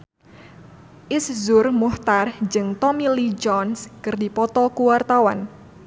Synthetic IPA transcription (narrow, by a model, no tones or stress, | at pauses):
ʔɪszʊrmuht̪ard͡ʒɨŋt̪ɔmilid͡ʒɔnskɨrdipɔt̪ɔkuwart̪awan